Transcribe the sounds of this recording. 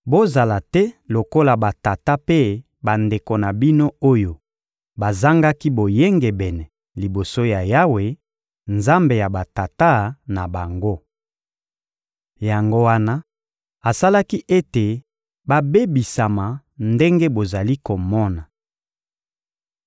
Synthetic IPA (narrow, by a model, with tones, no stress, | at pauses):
bo˦za˨la˨tɛ˦lo˨ko˦la˨ba˨ta˨ta˦pe˦ | ba˨nde˨ko˨na˨bi˦no˦o˦jo˨ | ba˨za˦ŋɡa˦ki˦bo˨je˦ŋɡɛ˨bɛ˨nɛ˨ | li˨bo˨so˦ja˨ja˦we˨ | nza˦mbe˨ja˨ba˨ta˨ta˦na˨ba˨ŋɡo˦ | ja˨ŋɡo˦wa˦na˦ | a˨sa˦la˦ki˦ʔe˦te˨ | ba˦be˦bi˨sa˨ma˨ | nde˦ŋɡe˦bo˨za˨li˦ko˨mɔ˦na˨